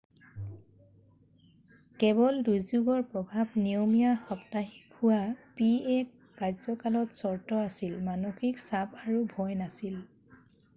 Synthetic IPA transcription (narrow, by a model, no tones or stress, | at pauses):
kɛbɔldujzuɡɔɹpɹɔbʱabniomijaxɔptaxikʰʊwapiɛk | kajzɔkalɔtsɔɹtɔasilmanoxiksabaɹubʱɔjnasil